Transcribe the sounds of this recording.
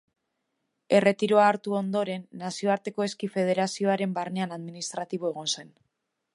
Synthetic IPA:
e̞re̞t̪iɾoaːɾt̪uo̞nd̪o̞ɾe̞nːasio̞aɾt̪e̞ko̞e̞skife̞ð̞e̞ɾasio̞aɾe̞mbarne̞anaðminist̪ɾat̪iβ̞o̞e̞ɣ̞o̞nse̞n

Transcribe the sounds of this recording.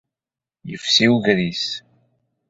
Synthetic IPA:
jəfsiwʝɾis

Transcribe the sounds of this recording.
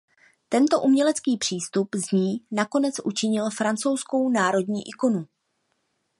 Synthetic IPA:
t̪ɛnt̪o̞ʔumɲɛlɛt͡skiːpr̥iːst̪upzɲiːnako̞nɛt͡sʔṵt͡ʃɪɲɪlfɾant͡so̞wsko̞wnaːɾo̞dɲiːʔɪko̞nu

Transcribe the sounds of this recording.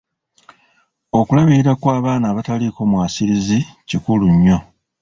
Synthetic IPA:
o̞kulaβiɾiɾakwaːβaːnaːβataliko̞mwaːsiɾizicikuluɲːo̞

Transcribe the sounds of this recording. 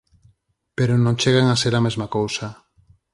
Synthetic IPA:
peɾonõŋt͡ʃeɣaŋaseɾamezmakowsa

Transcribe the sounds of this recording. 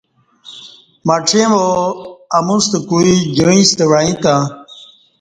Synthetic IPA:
maʈ͡ʂʰẽmo | ɐmust̪əkuid͡ʑəĩst̪ewaːĩt̪ã

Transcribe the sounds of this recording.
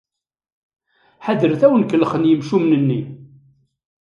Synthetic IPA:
ħaðəɾθæwənkəlχənjəmʃumnənːi

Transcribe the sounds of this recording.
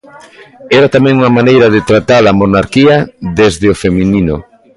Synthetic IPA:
ɛɾat̪amɛ̃ŋuŋɐmanejɾɐðet̪ɾat̪alɐmonaɾkiɐðezðɪofeminino

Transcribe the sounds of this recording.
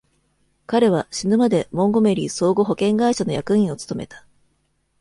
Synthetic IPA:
kaɾe̞βaɕinɯ̟mad̪e̞mõ̞ŋɡo̞me̞ɾʲiːso̞ːɡo̞ɦo̞kẽ̞ŋɡaiɕano̞jakɯ̟ĩɰ̃o̞t͡sɨ̥t̪o̞me̞t̪ḁ

